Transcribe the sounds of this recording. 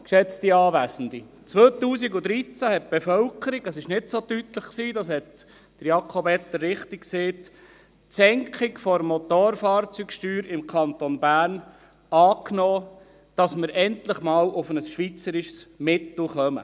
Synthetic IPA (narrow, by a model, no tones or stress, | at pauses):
kʃɛt͡st̪iɑːʋæːsən̩d̪i | t͡sʋøːt̪uːs̬iɡʊd̪ɾit͡sæhɛt̚b̥efœlkʰəɾiɡɑsɪʃnɪtsoːtytləχksiːdɑshɛt | d̥əɾjɑkʰobɛt̪ːərːɪχtikkseːt | sɛŋkʰχikfɔɾmɔt̪oːɾfɑːrt͡syːkʃtyːɾɪmkʰɑnt̪onbæːrn | ɑːknoː | d̥ɑsməɾʔɛnt̪ləχmɑːlʔʊfənəsʃʋit͡səɾɪʃsmɪt̪l̩χœmə̰